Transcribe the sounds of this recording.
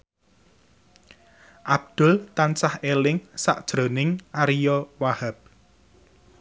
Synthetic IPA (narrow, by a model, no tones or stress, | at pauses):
ʔab̚d̪̥ʊlt̪ansahelɪŋsa̰ʔd̥ʒ̥ɾo̤nɪŋʔaɾijɔwahab̚